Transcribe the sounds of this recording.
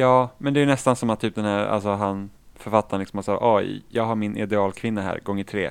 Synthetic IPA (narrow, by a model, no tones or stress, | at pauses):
jɑːmɛnd̪ɛæjnɛst̪ansɔmat̪ʰːyːp̚d̪ɛnhæːɾa̰lsɔɦanfœɾfat̪ːaɾanlɪksɔmasɑːʔɔjɑːɡɦaɾmɪnɪ̰d̪ɛɑːlkʰvɪnːaɦæ̰ːɾɡɔŋːət̪ʰɾeː